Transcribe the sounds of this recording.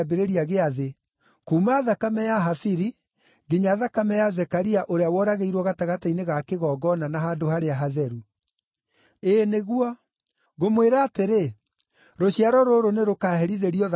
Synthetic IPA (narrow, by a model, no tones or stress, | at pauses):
beɾeɾiaɣeaðe | komaðakamɛjaɦafiɾi | ɡiɲaðakamɛjazɛkaɾiaʔoɾeawɔɾaɣeiɾwɔɣataɣataineɣakeɣɔːɡɔnanaɦadohaɾeaɦaðɛɾu | eneɣwɔ | ɣomweɾaːteɾe | ɾoɕiaɾɔɾoɾoneɾokaːhɛɾiðeɾiɔð